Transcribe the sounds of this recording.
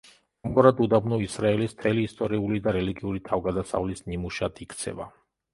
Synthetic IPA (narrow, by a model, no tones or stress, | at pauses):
amɡɔɾad̪ud̪abnuisɾaɛlist̪ʰɛliːst̪ʼɔɾiulid̪aɾɛliɡiuɾit̪ʰavɡad̪asa̰vlisnimuʃad̪ʰikʰt̪sʰɛ̰va̰